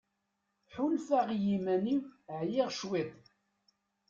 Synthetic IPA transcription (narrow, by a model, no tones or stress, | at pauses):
ħʊlfaʁjimæniwʕjɪʁʃwiðˤ